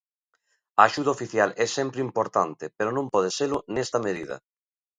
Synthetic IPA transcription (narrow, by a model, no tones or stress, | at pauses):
ɐːʃuðaofiθjalɛsɛmpɾɪimpoɾt̪ant̪epeɾonõmpɔð̞eselʊnɛst̪ɐmeð̞iðɐ̰